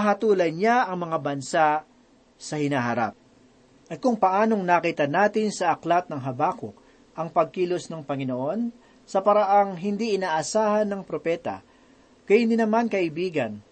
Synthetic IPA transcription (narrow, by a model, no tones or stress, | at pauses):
ɐɦɐt̪uːlɐjɲaɐŋmɐŋabɐnsa | sɐhɪnaːɦɐɾa̰p̚ | ʔɐt̪̚kʊŋpɐʔaːno̞ŋnakiːt̪ɐnaːt̪ɪnsɐʔɐklat̪̚nɐŋɦɐbaːko̰k | ʔɐŋpɐɡ̚kiːlosnɐŋpɐŋɪno̞ʔo̞n | sɐpɐɾɐʔaŋɦɪnd̪iʔɪnaːʔɐsaːhɐnːɐŋpɾo̞pɛːt̪ɐ̰ | kɐjhɪnd̪inɐmankɐʔɪbiːɡɐn